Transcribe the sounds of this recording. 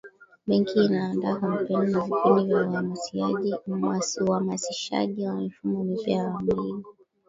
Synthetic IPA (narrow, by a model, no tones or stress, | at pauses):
ɓɛŋkʰiːnaːndaːkam̩pɛninavikʰunivjauhamasiaʄiuhamasiʃa̰ʄiwamifumɔmipiaaamlivi